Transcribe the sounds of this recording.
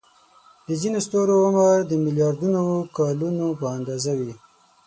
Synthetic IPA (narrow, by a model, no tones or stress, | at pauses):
d̪əzinost̪oɾoʊməɾd̪əmɪljɑɾd̪unokɑlunopəand̪ɑzawi